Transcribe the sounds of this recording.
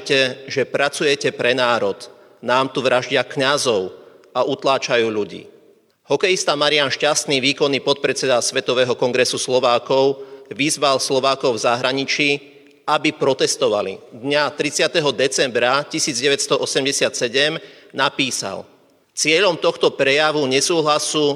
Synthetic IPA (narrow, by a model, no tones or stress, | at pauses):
cɛʒɛpɾat͡sujɛcɛpɾɛnaːɾɔd̪ | naːmt̪uʋɾʔaʒɟɪakɲazɔʊ | aʔut̪laːt͡ʃajuːʎuɟḭː | hɔkɛjist̪amaɾianʃcast̪niʋiːkɔnːipɔt̪̚pɾɛt͡sɛd̪asʋɛt̪ɔʋɛːɦɔkɔŋɡɾɛsuslɔʋaːkɔʊʋizʋalslɔʋaːkɔʊvzaɦɾaɲit͡ʃi | abipɾɔt̪ɛst̪ɔʋalḭd̪ɲat̪ɾit͡sɪat̪ɛɦɔd̪ɛt͡sɛmbɾacisiːd͡zɟɛʋɛcst̪ɔʔɔsɛmɟɛsɪat̪sɛɟɛmnapiːsa̰l | t͡sɪɛʎɔmt̪ɔxt̪ɔpɾɛjaʋuɲɛsuːɦlasu